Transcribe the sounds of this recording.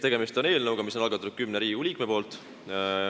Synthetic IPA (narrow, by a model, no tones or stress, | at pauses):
t̪e̞ɡ̥e̞mist̪o̞ne̞ːlnɤwɡ̥ɑmis̬o̞nɑlɡɑt̪ːud̥̪̚kymneɾiːulʲiːkmepo̞ːlt̪